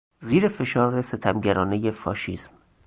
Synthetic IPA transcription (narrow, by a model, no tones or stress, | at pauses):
ziːɾefe̞ʃɒːɾe̞set̪ʰæmɟæɾɒːne̞jefɒ̰ːʃiːsm